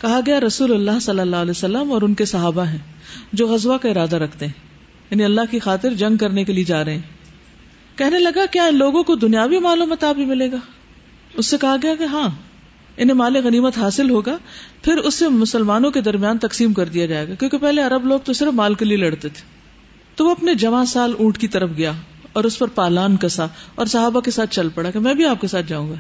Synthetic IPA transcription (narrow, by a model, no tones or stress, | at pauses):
kɐɦaɡɐjaɾɐsuːlɐlːaːɦsɐlːəlːaːlɛːsɐlːəmɔːɾʊnkesɐɦaːbaɦɛ̃ːd͡ʒoːɣɐzʋakaɪɾaːd̪aɾɐkʰt̪eɦɛ̃ː | jaːniɐlːaɦkixaːt̪ɪɾd͡ʒɐ̃ŋɡ̚kɐɾnekelied͡ʒaːɾɐɦẽɦɛ̃ː | kɛɦnelɐɡakjaːɪnloːɡõkod̪ʊnijaːʋimaːluːmət̪aːbʱimɪleːɡaː | ʊsːekɐɦaɡɐjakeɦãː | ɪnẽmaːleɣɐniːmət̪ɦaːsɪlɦoːɡaːpʰɪɾʊsːemʊsəlmaːnõked̪ɐɾmjaːnt̪ɐksiːmkɐɾd̪ijad͡ʒaːeːɡakjõːkepɛɦleɐɾəbloːɡ̚t̪osɪɾəfmaːlkelielɐɽt̪et̪ʰe̥ː | t̪oʋoɐpned͡ʒɐʋãsaːlũːʈkit̪ɐɾəfɡɐjaː | ɔːɾʊspɐɾpaːlaːnkɐsaɔːɾsɐɦaːbakesaːt̪ʰt͡ʃɐlpɐɽakemɛ̃ːbʱiaːp̚kesaːt̪̚ʰd͡ʒaːũːŋɡaː